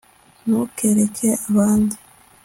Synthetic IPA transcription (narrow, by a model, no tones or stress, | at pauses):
nukeɾekʰeaβaːndi